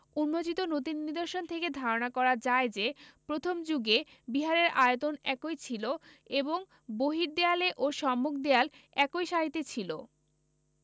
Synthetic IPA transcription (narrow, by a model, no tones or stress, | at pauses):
unmot͡ɕit̪onot̪̬inːid̪oɾʃont̪ʰeked̪ʱaɾonakɔɾaɾd͡ʑaed͡ʑepɾot̪ʰomd͡ʑuɡe | biɦaɾeɾaot̪onɛkojt͡ɕʰilo | eboŋ | boɦiɾd̪ealeʔoʃɔmːok̚d̪ealɛkojʃaɦit̪ːet͡ɕʰilo̰